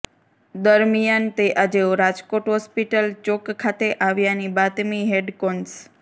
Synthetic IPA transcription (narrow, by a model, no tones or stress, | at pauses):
d̪əɾmijant̪eʔad͡ʒeoɾad͡ʒkoʈɦɔspiʈəlt͡ʃokkʰːat̪eʔaʋjanibat̪miɦeɖkons